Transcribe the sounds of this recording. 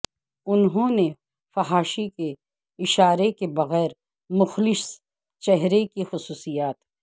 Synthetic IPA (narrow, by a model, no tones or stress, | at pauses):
ʊnɦõːne | fɐɦaːʃike | ɪʃaːɾekebɐɣɛːɾ | mʊxlɪs | t͡ʃɛɦɾekixʊsuːsijaːt̪